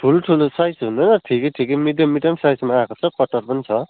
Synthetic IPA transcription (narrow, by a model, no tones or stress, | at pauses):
ʈʰuloʈʰulosajsɦund̪ʌjnʌʈʰikeʈʰikemid̪jʌmiʈʌmsajsmaakot͡sʰʌkʌʈʌrpʌnit͡sʰʌ